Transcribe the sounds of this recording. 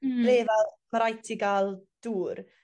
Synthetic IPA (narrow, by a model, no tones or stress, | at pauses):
reːvɛlˠ | maɾajtʰiɡaːlˠd̥uːɾ